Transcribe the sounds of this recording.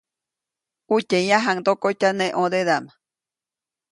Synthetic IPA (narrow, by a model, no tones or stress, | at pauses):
ucʲejãɦaŋd̪okot͡ʃanẽʔõd̪eðama